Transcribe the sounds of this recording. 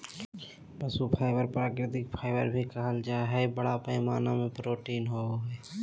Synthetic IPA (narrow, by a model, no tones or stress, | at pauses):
bɐsupʰaːɪʋəɾpɾaːkɾɪt̪ɪk̚pʰaːɪʋə̰ɾbʱikəɦəld͡ʒaːɦɛbəɽapəmaːnamẽpɾoːʈiːnɦooɦɛː